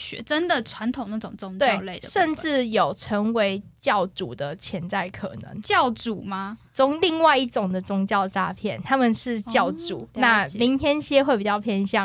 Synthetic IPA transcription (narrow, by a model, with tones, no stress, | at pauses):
ɕɛ̰˧˥ʈ͡ʂə˦nd̪ə˨ʈ͡ʂʰwa˧˦nt̪ʰʊ˨˩ŋna˥˩ʊ˨˩ŋt͡sʊ˥ŋt͡ɕ̪weɑ˥˨ɪ˧le˥˩ɪd̪ʂə˥˧nʈ͡ʂɻ̩˥˩jo˨˩ʊʈ͡ʂʰɤ˧˥ŋwe˧˥ɪt͡ɕjɑ˥˩ʊʈ͡ʂu˨˩d̪ə˦t͡ɕʰjɛ˧˥nt͡sa˥˩ɪkʰɤ̰˨˩nɤ̰˧˦ŋt͡ɕjɑ˥˨˩ʊt͡su˨˩ma˦t͡sʊ˥ŋli˥˧ŋwa˥˧ɪi˥˩ʈ͡ʂʊ˨˩ŋd̪ə˩ʈ͡ʂʊ˥ŋt͡ɕjɑ˥˨ʊʈ͡ʂa˥pʰjɛ˥˩nt̪ʰa˥mə˨nʂɻ̩˥˧t͡ɕjɑ˥˩ʊṵ˨˩˦nna˥˧mi˨˦˥nt̪ʰjɛ˥nɕjɛ˥xwe˥˩ɪpi˨˩t͡ɕjɑ˥˧ʊpʰjɛ˥˧nɕjɑ˥˩